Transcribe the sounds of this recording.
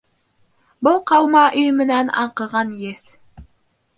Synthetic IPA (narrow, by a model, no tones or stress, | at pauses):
bɤlˠqɑwmɑʔɵjmɘ̆nænɑ̰ɴqɤ̆ʁɑnjeθ